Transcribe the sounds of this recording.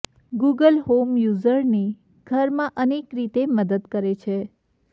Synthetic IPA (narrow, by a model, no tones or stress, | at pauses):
ɡuɡəlɦomjuzəɾni | ɡ̥ʱəɾmãʔənekɾit̪eməd̪əd̪kəɾet͡ʃʰe